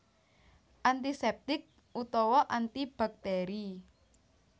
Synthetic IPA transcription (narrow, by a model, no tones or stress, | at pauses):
ʔant̪isɛp̚t̪ɪk̚ | ut̪ɔwɔʔant̪ib̥a̤k̚t̪ɛɾi